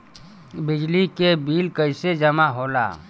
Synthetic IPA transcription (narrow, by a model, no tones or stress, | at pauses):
bɪd͡ʒlikebiːlkəɪsed͡ʒəmaɦoːla̰ː